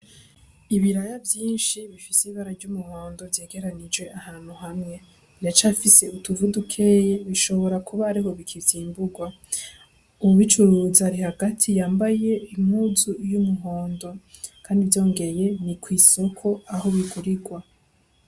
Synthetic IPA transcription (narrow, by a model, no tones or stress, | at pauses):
iβiɾajavjiːnʃiβifisiβaɾaɾɟumuho̞ːndovje̞ːɡe̞ɾanid͡ʒwe̞ʔahaːn̥huhamŋe̞ | nat͡ʃafise̞utuvudukʰe̞je̞βiʃo̞βo̞ɾakʰuβaːɾiɦo̞βikʰivjiːmbuɡwa | umuβit͡ʃuɾuːzaɾihaɡatʰijaːmbaje̞im̥huːzujumuɦo̞ːndo̞kʰaːndivjo̞ːŋɡe̞je̞nikʰwiːso̞kʰo̞aɦo̞βiɡuɾiɡwa